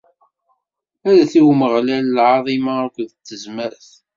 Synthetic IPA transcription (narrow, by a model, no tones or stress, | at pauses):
æɾæθiwməʁlællʕɑðˤimaækʷðət͡s̪ːəzməɾθ